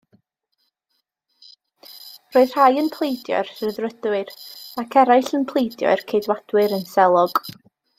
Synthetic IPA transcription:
roːɨð̥r̥ajənpʰlˠejdjɔ̰ɨrsəðrədwɨrakʰɛɾajɬənpʰlˠejdjɔ̰ɨrkʰejdwad̥wɨɾənsɛlˠɔɡ̥

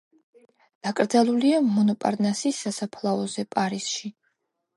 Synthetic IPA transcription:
d̪̥akʼɾd̪zalˠuliamɔnɔpʼa̰ɾnasisːasapʰlˠaɔzɛpʼaɾisʃi

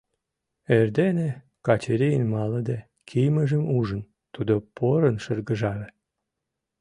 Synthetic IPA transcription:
erd̪ene | kɑt͡ɕeɾʲijənmɑləd̪æ | kʰijməʒəmuʒən | t̪ud̪opoɾənʃərɣəʒɑle

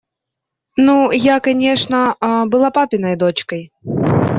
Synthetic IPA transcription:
nujakɐnʲɛʂnɐbɨlˠapapʲɪnɐjd̪ɔt͡ɕkɐj

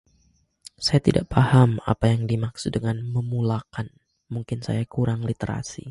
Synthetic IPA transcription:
sajat̪idaʔpahama̰pajaŋdimaksudəŋanməmulakan | muŋkɪnsa̰jakuɾaŋlit̪eɾa̰sḭ

